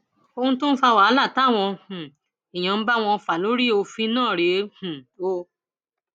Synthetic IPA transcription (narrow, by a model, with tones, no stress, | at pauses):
o˧hũ˧˦to˦n̩˦fa˧wa˨˦la˦˨ta˨˦˨w̃ɔ̃˧h̩˨ | i˨j̃ã˨˦ba˦w̃ɔ̃˧fa˨lo˨˦ɾi˦˨o˧fi˧˦nãː˦˨ɾe˨˦hũ˨o˧